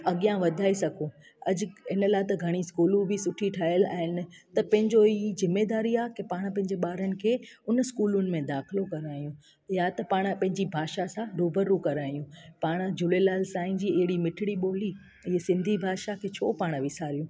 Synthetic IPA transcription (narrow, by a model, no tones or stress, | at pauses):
ɐɠijãʋɐd̪ʱaːisɐɡʱõ | ɐd͡ʑɪnəlaːt̪ɐɡʱɐɽ̃iskuːlũbʱɪsʊʈʰiʈʰaːɦjəla̰ːɦɪnɪ̆t̪ɐpɐ̃ɦɪ̃ɲd͡ʑoizɪmːeːd̪aːɾiaːkepaːɽ̃pɐ̃ɦɪ̃ɲd͡ʑeɓaːɾənɪ̆kʰeːʊnskuːlʊnɪ̆mẽd̪aːxɪlokɐɾaːjũ | jat̪ɐpaːɽ̃pɐ̃ɦɪ̃ɲd͡ʑibʱaːʃasãɾuːbəɾũkɐɾaːijũpaːɽ̃d͡ʑʊlelaːlsaːɪ̃nd͡ʑiːɪɦɪɽimɪʈʰɪɽiɓoːli | ɪɦsɪ̃nd̪ʱibʱaːʃakʰeːt͡ɕʰoːpaːɽ̃ʋɪsaːɾijũː